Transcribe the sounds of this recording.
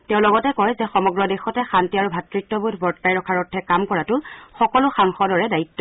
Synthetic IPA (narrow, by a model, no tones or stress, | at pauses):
tɛʊ̃lɔɡɔtɛkɔjzɛxɔmɔɡɹɔdexɔtɛxantiaɹubʱatɹitːɔbudʱbɔɹtkajɹɔkʰaɹɔtʰːɛkamkɔɹatʊxɔkɔlʊxaŋxɔdɔɹɛdaitːɔ